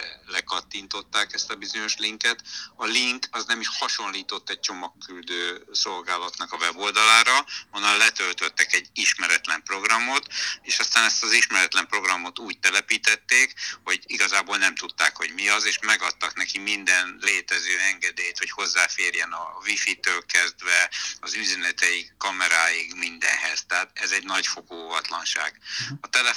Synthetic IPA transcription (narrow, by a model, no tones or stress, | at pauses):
lɛkɒt̪ːint̪o̞t̪ːaːkɛst̪ɒbizo̞ɲo̞ʃliŋkɛt̪ɒliŋkɒznɛmiʃhɒʃo̞nliːt̪o̞t̪ːɛc̚t͡ʃo̞mɒkːyld̪øːso̞lɡaːlɒt̪nɒkɒvɛbo̞ːld̪ɒlaːɾɒhɒnɒlɛt̪ølt̪øt̪ːɛkɛɟiʃmɛɾɛt̪lɛmpro̞ɡrɒmo̞t̪eːʃɒst̪aːnɛst̪ɒziʃmɛɾɛt̪lɛmpro̞ɡrɒmo̞t̪uːɟ̚t̪ɛlɛpiːt̪ɛt̪ːeːkho̞ɟiɡɒzaːboːlnɛmt̪ut̪ːaːkho̞ɟmiɒzeːʃmɛɡɒt̪ːɒknɛkimind̪ɛnleːt̪ɛzøːɛŋɡɛd̪eːjt̪ho̞cho̞zːaːfeːrjɛnɒvifit̪øːlkɛzd̪ʋɛɒzyzɛnɛt̪ɛjikːɒmɛɾaːjikmind̪ɛ̰nɦɛz̥t̪ɛɦaːt̪ɛzɛɟnɒɟfo̞koːovɒt̪lɒnʃa̰ːɡ̥ɒt̪ɛlɛ